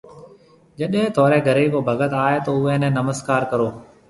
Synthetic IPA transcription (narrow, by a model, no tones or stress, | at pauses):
d͡ʒəɗɦẽːt̪ɔːɾɛːɡʱəɾeːkoːbʱəɡət̪aːeːt̪oːʊẽːnɛ̃ːnəməzkaːɾkəɾoː